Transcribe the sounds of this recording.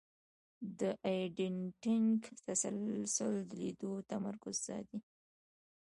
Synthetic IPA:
d̪əʔajɖɪɳʈɪŋkt̪asa̰lsʊld̪əlid̪ot̪amaɾkʊzzɑ̰d̪i

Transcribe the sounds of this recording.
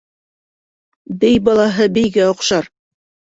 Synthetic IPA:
bɘjbɑlˠɑɦɤbɘ̆jɡæŏqʃɑɾ

